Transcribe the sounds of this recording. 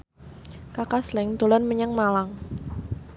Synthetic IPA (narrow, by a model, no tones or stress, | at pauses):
kakaslɛŋd̪olɔnməɲəŋmalaŋ